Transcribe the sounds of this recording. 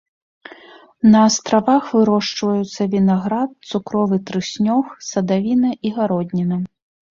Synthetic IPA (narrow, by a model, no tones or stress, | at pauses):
nɐːst̪ɾavaxvɨɾɔʂt͡ʂvɐjut̪sːɐvʲinaɣɾat̪̚t̪sukɾɔvɨt̪ɾɨsʲnʲɔxsɐd̪avʲinɐʔiɣaɾɔd̪ʲnʲinɐ